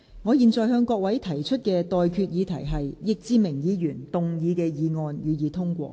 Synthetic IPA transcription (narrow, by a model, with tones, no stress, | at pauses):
ŋɔː˨˧jiː˨nt͡sɔː˨jɦœː˧ŋkɔː˧k̚wɐ˨˥jt̪ʰɐ˨˩jt͡ʃʰɵ˥t̚kɛː˧t̪ɔː˨jkʰyː˧t̚jiː˨˧t̪ʰɐ˨˩jɦɐ˨jjɪ˨k̚t͡siː˧mɪ˨˩ŋjiː˨˧˥jyː˨˩nt̪ʊ˨ŋjiː˨˧kɛː˧jiː˨˧ŋɔː˧njyː˨˧jiː˨˧t̪ʰʊ˥ŋkʷɔ̰ː˧˥